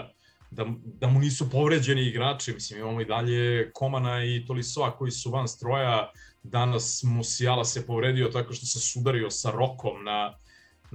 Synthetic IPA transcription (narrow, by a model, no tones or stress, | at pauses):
d̪ad̪amuniːsupo̞vɾe̞d͡ʑe̞niːɡɾaːt͡ʂimislimimamoid̪aʎe̞kʰo̞manait̪o̞lisoako̞jisuʋanst̪ɾo̞ja | d̪anasmusialasepo̞vɾeːd̪io̞t̪ako̞ʃt̪osesud̪aɾio̞saɾo̞kʰo̞mna | n